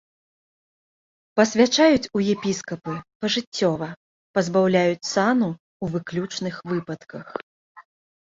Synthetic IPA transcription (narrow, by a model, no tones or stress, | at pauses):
pɐsʲvʲat͡ʂajut͡sʲujɛpʲiskɐpɨpɐʐɨt͡sʲːɔvɐ | pɐzbawlʲajut͡sʲsanu | uvɨklʲut͡ʂnɨxvɨpɐt̪kɐx